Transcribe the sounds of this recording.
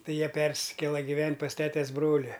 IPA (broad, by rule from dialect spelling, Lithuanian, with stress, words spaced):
ˈtɐɪ ˈjiɛ ˈpʲɛrʲsʲɪkʲeːlˠɐ ɡʲɪˈʋʲɛnʲtʲ pɐs ˈtʲæːtʲɛs ˈbroːlʲɪ